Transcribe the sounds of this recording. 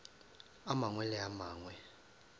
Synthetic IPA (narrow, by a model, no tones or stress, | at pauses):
amaŋwɛlɛamaːŋwɛ